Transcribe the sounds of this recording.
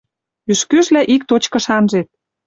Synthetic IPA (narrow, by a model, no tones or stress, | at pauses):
yʃkøʒlæʔik̚t̪ot͡ɕkɤ̆ʃɑnʒet̪̚